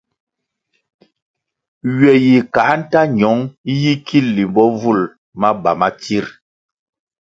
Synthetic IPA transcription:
ɥɛ˨ji˨ka˨˦n̩˦ta˦ɲɔ˨˦ŋi˦ji˦kʰi˦˨lːi˨mbɔ˦vu˦˨l | ma˦ba˨ma˦ti˦ɾ

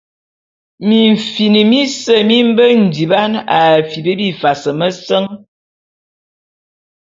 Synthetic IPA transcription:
mi˨ɱ̩˨fi˨ni˨mi˦sə˦mi˦m̩˦bə˦n̩˨di˨ba˦na˨fi˨bə˦bi˦fa˨sə˨mə˦sə˦ŋ

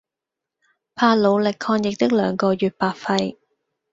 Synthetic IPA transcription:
pʰaː˧˥lo˨˧wlɪ˨kʰːɔː˧ŋjɪ˨k̚t̪ɪ˥k̚lœː˨˧ŋkɔː˧jyː˨t̚paː˨t̚fɐ˧j

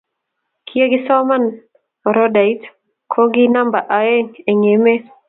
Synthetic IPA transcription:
kʰie˦ɡɪ˦sɔ˦ma˦n | ɔ˨ɾɔda˨i˦t | kʰo˦ɡi˦na˦mba˨ʔa˨e˦ŋe˨ŋe˨me˦

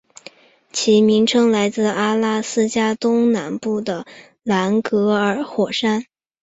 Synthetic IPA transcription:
t͡ɕʰi˧˥mi˧˥ŋʈ͡ʂʰɤ˥ŋla˧˥ɪt͡sɹ̩˥˩a˥la˥sɹ̩˥t͡ɕja˥t̪ʊ˥ŋna˧˥npu˥˩d̪ə˩ | la˧˥nkɤ˧˥ə˞˧˥xwɔ˨˩ʂa˥n

